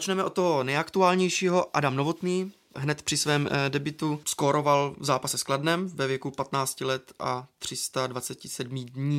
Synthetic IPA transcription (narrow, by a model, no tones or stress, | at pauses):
t͡ʃnɛmɛʔot̪t̪ːoɦo̞nɛjakt̪uaːlɲɛjʃiːɦo̞ʔa̰damnovot̪niː | ɦnɛt̪pr̝̥ɪsvɛːmdɛbɪt̪uskoːɾo̞valvzaːpasɛskladnɛmvɛvjɛkupat̪naːt͡scɪlɛt̪at̪r̝̥ɪst̪advat͡sɛcɪsɛdmidɲiː